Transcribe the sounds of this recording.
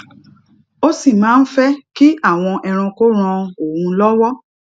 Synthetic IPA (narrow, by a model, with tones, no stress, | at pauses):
o˦si˦˨mãː˨˦n̩˦fɛ˦ki˦a˦˨w̃ɔ̃˧ʔɛ˧ɾ̃ũ˧ko˦ɾ̃ã˧o˦˨wũ˧lɔ˦wɔ˦